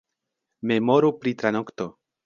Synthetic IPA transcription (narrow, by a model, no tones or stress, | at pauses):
memoɾupɾit̪ɾanokt̪o